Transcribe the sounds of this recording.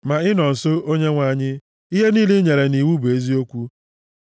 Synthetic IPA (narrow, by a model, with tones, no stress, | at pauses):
ma˨ɪ˦nɔ˨n̩˨so˦o˦ɲe˦ŋʷa˨ɲɪ˦ | i˦ɦe˦niː˦lɪ˦ɲe˨ɾe˨ni˨wu˦be˨˦zi˦o˦kʷu˦